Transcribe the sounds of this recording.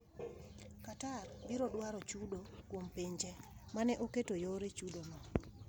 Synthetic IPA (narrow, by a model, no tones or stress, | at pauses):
katarbiɾɔdwaɾɔt͡ʃudokwompiɲd͡ʒɛmanɛʔoketojoɾet͡ʃudonɔ